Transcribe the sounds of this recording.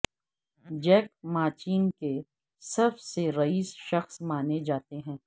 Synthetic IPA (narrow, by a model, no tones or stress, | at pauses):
d͡ʒɛːk̚maːt͡ʃiːnke | sɐbseɾɐiːsʃɐxsmaːned͡ʒaːt̪eɦɛ̃ː